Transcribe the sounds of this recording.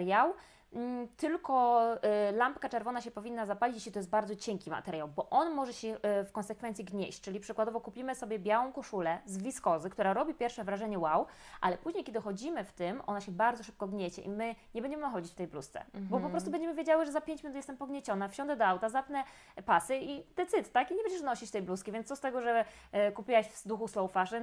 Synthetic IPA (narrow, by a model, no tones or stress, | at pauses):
ɾjaw | t̪ɘlkɔ | lampkat͡ʂɛɾvɔnaɕɛpɔvʲinːazapalʲit͡ɕeɕit̪ɔjɛst̪baɾd̪zɔt͡ɕɛŋkʲima̰t̪ɛɾjawbɔʔɔnmɔʐɛɕɛfkɔnsɛkfɛnt̪sʲiɡɲeɕt͡ɕt͡ʂɘlʲipʂɘkwad̪ɔvɔkupʲimɘsɔbʲjɛbʲjawɔ̃w̃kɔʂulɛzvʲiskɔzɘkt̪uɾaɾɔbʲipʲjɛɾfʂɛvɾaʐɛɲɛwawʔa̰lɛpuʑɲejkʲeɛd̪ɘxɔd͡ʑimɘft̪ɘmʔɔ̰naɕɛbaɾdzɔʂ̬ɘp̚kɔɡɲet͡ɕɛ̰ʔimɘɲɛbɛɲd͡ʑɛmɘxɔd͡ʑit͡ɕft̪ɛjblust̪sɛ̰bɔpɔppɾɔst̪ubɛnɲd͡ʑɛmɘvʲjed͡ʑawɘʐɛzapʲjeɲt͡ɕmʲinut̪jɛst̪ɛmpɔɡɲet͡ɕɔnafɕɔnd̪ɛd̪ɔawt̪azapnɛ | pasɘid̪̥ɛt̪sɘt̪ːakiɲɛbɛɲd͡ʑɛʂnɔɕit͡ɕft̪ɛjbluskʲivʲjɛnt̪ssɔst̪ɛɡɔʐɛkupʲiwaɕfd̪uxuslɔwfaʂɛ